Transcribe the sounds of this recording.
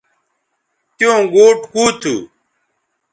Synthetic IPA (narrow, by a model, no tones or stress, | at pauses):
t̪jõːɡoːʈkuːt̪ʰṵː